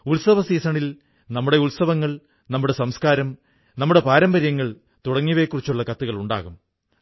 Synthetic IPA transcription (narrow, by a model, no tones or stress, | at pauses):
ulsɐʋɐsiːsɐɳil | nɐmːuɽe̞ulsɐʋɐŋːɐɭ | nɐmːuɽe̞sɐmskaːɾɐm | nɐmːuɽe̞paːɾɐmbɐɾjɐŋːɐɭ | t̪uɽɐŋːiʋekːurit͡ɕːuɭːɐkɐt̪ːuɣɐɭuɳɖa̰ːɣum